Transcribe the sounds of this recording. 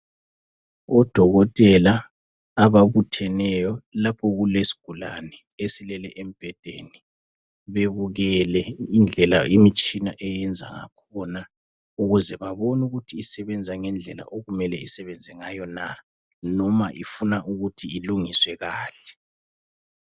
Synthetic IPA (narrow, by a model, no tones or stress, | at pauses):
ɔd̥ʱɔɣɔtʼɛlaː | βaβutʰɛnɛjɔlapʰɔɣulesi̥ɡ̥ʱula̰nɛ | esilɛlɛʔem̩b̥ʱɛd̥ʱḛni | βeβuɣɛlɛind͡ɮʱɛlaimit͡ʃʼinaʔɛjɛnd͡zʱa̰ŋa̰kʰɔna | uɣuzɛβaβɔnuɣutʰiːsɛβɛnd͡zʱaŋɛnd͡ɮʱɛla̰ʔoɣumɛlɛisɛβɛnd͡zʱɛŋajɔna | nɔmaʔifunaʔuɣutʰiːluŋiswɛɣaːɬɛ̥